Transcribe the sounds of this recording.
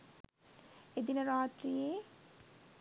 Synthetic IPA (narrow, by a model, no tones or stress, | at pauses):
ed̪inɐɾaːt̪ɾije